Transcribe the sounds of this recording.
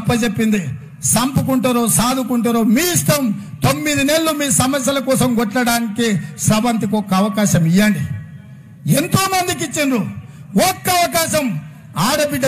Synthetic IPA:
pːɐd͡ʒepːind̪i | sɐmpukuɳʈɐɾoːsaːd̪ʱukuɳʈɐɾoːmiːist̪ɐm | t̪omːid̪inelːumiːsɐmɐsjɐlɐkɔːsɐmɡɔʈlɐɽaːnikiʃɾɐbɐnt̪̬ikɔkːɐːʋɐkaːʃɐmijːɐɳɖi | ent̪oːmɐnd̪ik̬it͡ʃːinɾu | ɔkːɐɐʋɐkaːʃɐm | aːɽɐbiɖ̪ɐ

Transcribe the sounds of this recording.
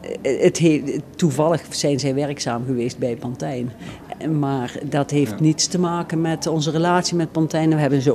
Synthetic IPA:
ətɦetuvɑlˠəχz̥ɛjnzɛjʋɛɹksaːmɣəʋejst̚bɛjpɔntɛjn | maːɹdɑtɦejftnitstəmaːkənmɛtɔnzərəlaːtsimɛt̚pɔntɛjnɛnʋəɦɛbənzo

